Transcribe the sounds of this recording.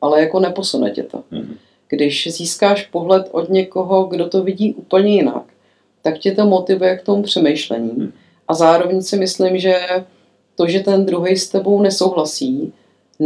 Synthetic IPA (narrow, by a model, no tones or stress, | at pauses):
ʔalɛjako̞nɛpo̞sunɛ̰cɛ̰t̪o̰ | ɡ̥dɪʃziːskaːʃpo̞ɦlɛt̪ʔod̪ɲɛko̞ɦo̞ɡdo̞t̪o̞vɪɟiːʔuːpl̩ɲɛjɪna̰k | t̪akcɪt̪o̞mo̞t̪ɪvujɛkt̪o̞mupr̝̥ɛmejʃlɛ̰ɲiː | ʔazaːɾo̞vɛɲsɪmɪslɪmʒɛ | t̪o̞ʒɛt̪ɛnd̪ɾuɦɛjst̪ɛbo̞wnɛso̞wɦlasiː